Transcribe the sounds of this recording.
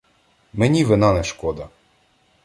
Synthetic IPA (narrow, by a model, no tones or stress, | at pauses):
menʲiʋɪnɑnɛʃkɔd̪ɐ